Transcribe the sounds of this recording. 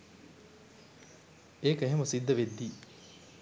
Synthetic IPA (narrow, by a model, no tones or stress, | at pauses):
eːkeɦemusid̪ːɐʋed̪ːiː